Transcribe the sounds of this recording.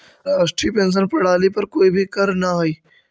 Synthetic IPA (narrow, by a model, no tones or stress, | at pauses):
ɾaːsʈɾiːpẽːns̬ənpɐɽ̤aːlipɐɾkoːibʱikɐɾnaɦoiː